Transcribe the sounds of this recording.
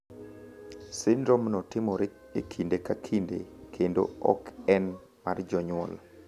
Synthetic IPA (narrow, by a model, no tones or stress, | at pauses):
sɪndɾɔmnɔtɪmɔɾ | ekʰindekakʰindekʰendo̰ɔ̰kɛn | mard͡ʒɔɲwɔ̰l